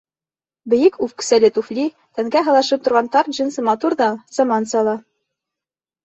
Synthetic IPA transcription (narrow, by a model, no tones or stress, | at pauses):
bɘ̆jɘkʉfkɘ̥̆sælɘt̪uflʲi | t̪æŋɡæɦɤ̆lˠɑʃɤp̚t̪ŏɾʁɑnt̪ɑɾʑinsɤmɑt̪uɾðɑz̥ɑmɑnsɑlˠɑ